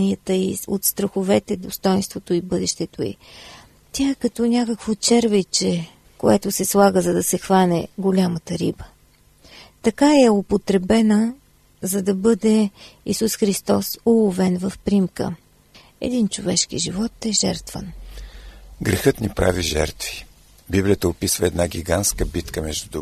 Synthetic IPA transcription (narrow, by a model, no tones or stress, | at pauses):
niət̪əiot̪st̪ɾəxʊvɛt̪ɛd̪ost̪ɔjnst̪vot̪oibɤd̪ɛʃt̪ɛt̪oḭ | t̪ʲjaɛkɐt̪ɔnʲakəkvot͡ʃɛɾvit͡ʃɛ | koɛt̪ʊsɛslˠaɡəzɐd̪ɐsɛxvanɛɡolʲamət̪əɾibə̥ | t̪ɐkaɛopot̪ɾɛbɛnə | zɐd̪ɐbɤd̪ɛisusxɾist̪ɔsulˠovɛnvəfpɾimkə̰ | ɛ̰d̪int͡ʃovɛʃkḭʒivɔt̪ɛʒɛɾt̪və̰n | ɡɾɛxət̪nipɾa̰viʒɛ̰ɾt̪vi̥ | biblʲijət̪əopisvəɛd̪naɡʲiɡant̪skəbit̪kəmɛʒd̪ud̪